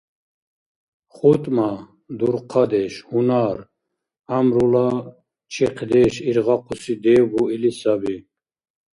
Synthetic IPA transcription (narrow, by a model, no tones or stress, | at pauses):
χut̪ʼma | d̪uɾqʰad̪ɛʃhunaɾ | amɾula | t͡ʃʰiqʰd̪ɛʃiɾʁaqʰusid̪ɛːbuilisabi